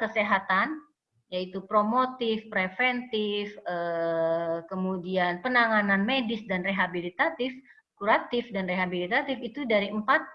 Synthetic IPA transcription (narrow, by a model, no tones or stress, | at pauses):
kəseɦat̪an | jait̪upɾomot̪ɪfpɾefɛnt̪ɪfə | kəmudianpənaŋananmedɪsdanreɦabilit̪at̪ɪf | kuɾat̪ɪfdanreɦabilit̪at̪ɪfit̪udaɾiəmpat̪̚